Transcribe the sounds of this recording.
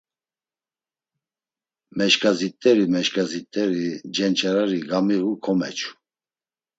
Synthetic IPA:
mɛʃkʰʼazit̪ʼːɛɾimɛʃkazit̪ʼːɛɾid͡ʒɛnt͡ʃʰʼaɾaɾiɡamiɣukʰɔmɛt͡ʃʰu̥

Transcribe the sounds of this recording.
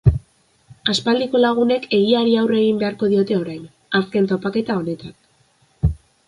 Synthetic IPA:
aspald̪iko̞laɣ̞une̞kʰe̞ɣiaɾiawre̞ɣimbe̞aɾko̞ðio̞t̪e̞o̞ɾajn | aske̞nt̪o̞pake̞t̪ao̞ne̞t̪an

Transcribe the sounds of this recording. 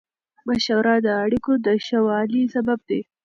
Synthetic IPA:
maʃawɾɑd̪əaɽikod̪əʃawɑlisabab̚d̪e

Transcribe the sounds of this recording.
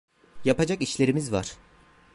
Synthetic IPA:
japad͡ʒakiʃlʲe̞ɾimizva̰ɾ̥

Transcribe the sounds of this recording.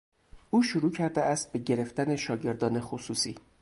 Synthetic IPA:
ʔuːʃoɾuːcʰæɾd̪eæst̪̚be̞ɟe̞ɾe̞ft̪æne̞ʃɒːɟe̞ɾd̪ɒːne̞xosuːsiː

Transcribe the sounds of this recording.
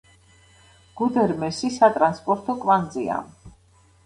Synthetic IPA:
ɡ̥ud̪ɛɾmɛsisat̪ʼɾanspʼɔɾt̪ʰɔkʼvand̪zia̰m

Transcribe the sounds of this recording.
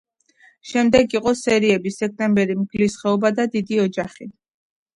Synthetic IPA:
ʃɛmd̪ɛɡiqʼɔsɛɾiɛbisɛk̚ʰt̪ʼɛmbɛɾimɡlisχɛɔbad̪ad̪id̪iɔd͡ʒaχi

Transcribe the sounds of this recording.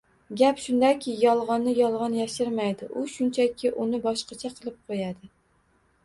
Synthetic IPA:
ɡʲapʃʊnd̪akʲʰɪjɒlˠʁɑnːɪjɒlˠʁɑnjaʃɪɾmajd̪ɪʔʊʃʊnt͡ʃʰakʲʰɪʔʊnɪbɒʃqɑt͡ʃʰaqʰɨlˠɨp̚qʰojad̪ɪ

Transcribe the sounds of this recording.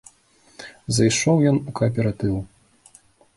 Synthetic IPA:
zɐjʂɔwjɔnukɐːp̬ʲɛɾat̪ɨw

